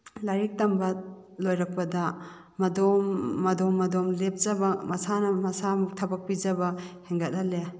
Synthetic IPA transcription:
laɾik̚tɐmbɐlojɾɐk̚pɐdɐ | mɐdomːɐdɔmːɐdomlep̚zɐbɐmɐsanɐmɐsamuk̚tʰɐbɐk̚pizɐbɐheŋɡɐt̚ale

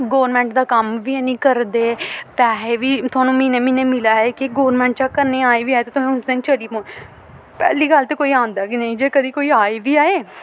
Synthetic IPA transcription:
ɡoːʋəɾmɛ̃ːɳʈd̪aːkəmʋiːɛːnĩːkəɾd̪eːpɛːɦeːʋiːt̪ʰʊaːnũːmĩːneːmĩːneːmɪlaːɦɛːkɪɡoːʋɾmɛ̃ːɳʈt͡ʃaːkəɾnẽːaːeʋiːaːet̪eːt̪ʊmẽːʊsd̪ẽːnt͡ʃəɽiːpõːn | pɛ̰ːliːɡəlt̪eːkoːiːãːnd̪aːkɪnəĩd͡ʒeːkəd̪iːkoːiːaːeːʋiːaːeː

